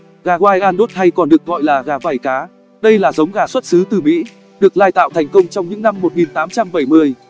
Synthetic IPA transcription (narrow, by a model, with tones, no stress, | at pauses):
ɣaː˨˩ɣwaː˧jʔaː˧nɗo˦˥t̚ha˧jkɔ˨˩nɗɨ˨˩ək̚ɣɔ̰˧˨jlaː˨˩ɣaː˨˦vaː˧˩jkaː˨˦ | ɗə˧jlaː˨˩zə˨˦wŋ͡mɣaː˨˩swə˦˥t̚sɨ˨˦t̪ɨ˨˩mḭ˧˥ | ɗɨ˨˩ək̚laː˧jt̪a̰ː˧˨wt̪ʰɛ˨˩jŋ̟kə˧wŋ͡mt͡ɕɔ˧wŋ͡mɲɨ̰˧˥ŋna˧mːo˨˩t̚ŋi˨˩nt̪aː˨˦mt͡ɕa˧mɓə˧˩jmɨ˧əj